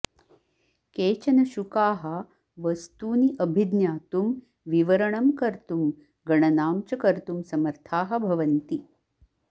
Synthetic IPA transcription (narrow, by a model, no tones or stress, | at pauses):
keːt͡ʃɐnɐʃukaːɦɐ | ʋɐst̪uːniʔɐbʱid̪njaːt̪um | ʋiʋɐɾɐɳɐmkɐɾt̪um | ɡɐɳɐnaːmt͡ʃɐkɐɾt̪umsɐmɐɾt̪ʰaːɦɐ̆bʱɐʋɐnt̪i